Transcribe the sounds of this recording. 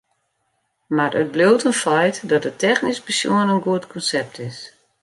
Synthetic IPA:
marət̚blowtənfɛjtdɔtətːɛxnispəsjṵənənɡuətkʰɔnsɛp̚tʰɪs

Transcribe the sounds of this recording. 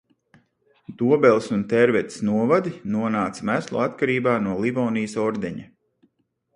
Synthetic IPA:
d̪uɔbɛlˠsunt̪ɛɾvɛt̪snuɔvad̪inuɔnaːt̪smæslˠṵat̪kaɾiːbaːnuɔlˠivɔːnijsɔɾd̪ɛɲa

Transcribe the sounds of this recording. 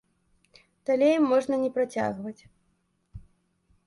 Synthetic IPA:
d̪̥alʲejimːɔʐnɐnʲɛpɾat͡sʲa̰ɣvɐt͡sʲ

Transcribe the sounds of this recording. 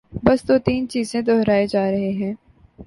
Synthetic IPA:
bɐst̪ot̪iːnt͡ʃiːzẽd̪ɔːɦɾaːed͡ʒaːɾɐɦeɦɛ̃ː

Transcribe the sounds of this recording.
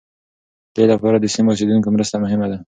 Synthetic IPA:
d̪̥elapɑɾad̪əsimos̬ed̪uŋkomɾəst̪amʊɦɪmad̪a

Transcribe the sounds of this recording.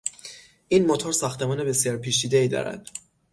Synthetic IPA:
ʔiːnmot̪ʰɒːɾsæxt̪ʰe̞mɒːnebe̞sjɒːɾpʰiːt͡ʃiːd̪eiːd̪ɒ̰ɾæ̰d̪̥

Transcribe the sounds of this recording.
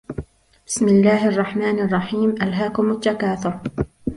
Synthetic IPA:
b̥ɪ̥smɪlːaːhʔɑrˤːɑħmaːnɑrˤːɑħiːmʔalɦaːkʊmat̪ːakaːθʊɾ

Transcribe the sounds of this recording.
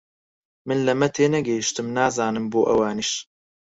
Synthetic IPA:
mɨnlɐmɛt̪ʰeːnɛɡɛhiʃt̪ɨmnaːzaːnɨmboːʔɛwaːniʃ

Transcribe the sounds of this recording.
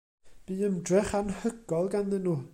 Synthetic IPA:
b̥iːəmdrɛχanhəɡ̥ɔlˠɡanðənuː

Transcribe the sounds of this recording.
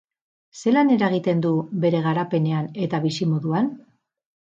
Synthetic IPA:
se̞lane̞ɾaeɣ̞it̪e̞nd̪uβe̞ɾe̞ɣ̞aɾape̞ne̞ane̞t̪aβisimo̞ðuan

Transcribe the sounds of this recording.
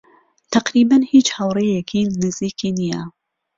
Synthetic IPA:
t̪ʰɐqɾibanhiːt͡ʃhɐwrejɛkʰinɪziːkʰinija

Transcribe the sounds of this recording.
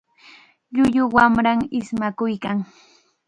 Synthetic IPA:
ʎʊʎʊwamɾaŋɪsmakʊjkaŋ

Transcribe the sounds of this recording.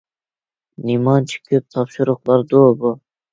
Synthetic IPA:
nimɑnt͡ʃʰɪ̥kʰʲɪp̚t̪ʰɑpʃʊɾʊqlˠɑɾd̪obʊ

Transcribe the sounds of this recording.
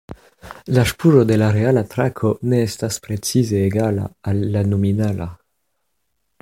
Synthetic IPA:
laʃpuʒod̪elaɾealat̪ɾakʰoneɛstaspɾet͡sizeːɡala̰alːanominala̰

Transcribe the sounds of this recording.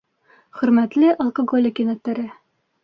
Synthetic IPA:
χɵ̆ɾmæt̪lɘʔɒlˠkoɡolʲɪkinæt̪ːæɾɘ

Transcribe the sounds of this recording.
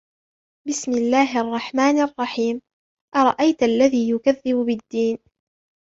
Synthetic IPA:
bɪsmɪlːaːɦɪʔɑrˤːɑħmaːnʔɑrˤːɑħiːm | ʔɑɾˤɑʔajt̪ʔalːaðiːjʊkaðːɪbʊbɪd̪ːiːn

